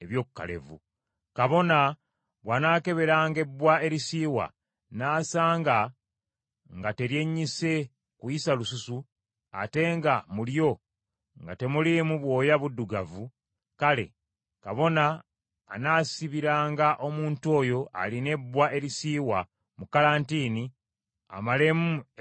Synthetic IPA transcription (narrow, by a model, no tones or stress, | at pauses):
e̞βjo̞ːkukːa̰le̞̰vṵ | kaβo̞na | βwanaːke̞βe̞ɾaːŋɡe̞bːwae̞ɾisiːwa̰ | naːsaːŋɡa | ŋɡate̞ɾje̞ɲːise̞ | kujisalususu | a̰te̞ŋɡamuljo̞ | ŋɡa̰te̞mulimuβwo̞ːjaβudːuɡavu | kale̞̰ | kaβo̞naː | nasiβiɾaːŋɡaʔo̞muːntuo̞ːjo̞a̰line̞bːwaʔe̞ɾisiːwa | mukalaːntiːni | a̰male̞mu